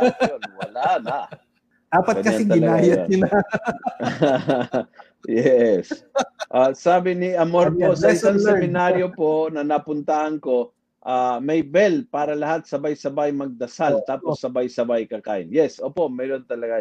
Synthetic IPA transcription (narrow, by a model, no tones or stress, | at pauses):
ʔjonwɐlanaʔ | d̥̪aːpɐt̪ɡɐɲkɐaɪɐɡɪnlɡ̪aːjaaɪla | jɛsʔasaːbɪnɪʔɐmoɾposɐɪsaŋsɛmɪnaɾjopo̞ʔnɐnɐpʊnt̪ahɐnko̞ | ʔaːmɐjbɛlpaːɾɐlɐhat̪̚sɐbajsɐbajmɐɡ̚d̪ɐsalt̪aːposːɐbajsɐbajkɐka̰ːʔɪnjɛsʔoːpo̞ʔmɛːɾo̞nt̪ɐlɐɡa